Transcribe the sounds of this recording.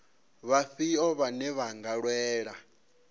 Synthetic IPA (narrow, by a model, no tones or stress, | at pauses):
βaɸiɔβanɛβaŋɡaɺwɛːɺa